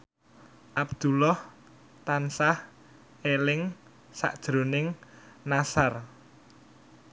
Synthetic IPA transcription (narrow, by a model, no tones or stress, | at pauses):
ʔab̚d̪̥ulɔh | t̪ansah | elɪŋ | sa̰ʔd̥ʒ̥ɾo̤nɪŋ | nasar